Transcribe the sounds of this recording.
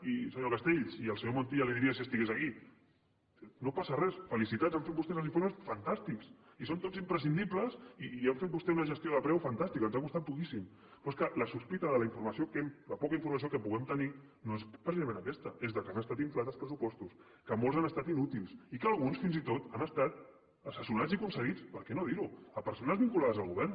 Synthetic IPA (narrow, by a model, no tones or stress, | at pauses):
isəɲokast̪eʎsiəlˠsəɲomont̪ialiðiɾiəsiəst̪iɣezɐki | nopasərɛsfəlisit̪atzeɱfet̪bust̪ɛzəlziɱfoɾmesfant̪ast̪iks | isont̪od͡zzimpɾəsind̪ipləsiɛɱfet̪̚bust̪ɛunəʒəst̪ioðəpɾɛwfant̪ast̪ikənzakust̪at̪̚pukisim | pɾɔskələsuspit̪əðələiɱfuɾmɐsiokɛmləpɔkəiɱfuɾmɐs̬iokəpuɣɛmt̪əni | noespɾəsizɐmẽnəkɛst̪əezðəkanəst̪at̪iɱflat̪əlˠspɾəsupɔst̪us | kəmolˠzanəst̪at̪inut̪ilˠsikəlˠɣunsfinzit̪ot̪anəst̪at̪̚ | əsəsiunad͡zikunsəɣ̞it͡spəɾkɛnoðiɾuəpəɾsonəzβiŋkulaðəzəlˠɣuβɛɾrn